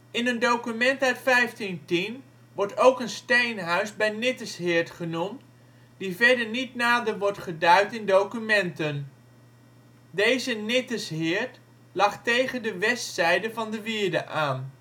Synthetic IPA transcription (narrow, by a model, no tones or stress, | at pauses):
ɪnəndowkymɛntœɥtfɛjftintin | ʋɔɹtowkənstejnɦœɥzbɛjnɪtəsɦɪːɹtχənumt | d̥ivɛɹdəɹnitnaːdəɹʋɔɹtχədœɥtɪndowkymɛntən | dejzənɪtəsɦɪːɹt | lɑχtejχəndəʋɛstsɛjdəvɑndəʋɪːɹdə̰ʔaːn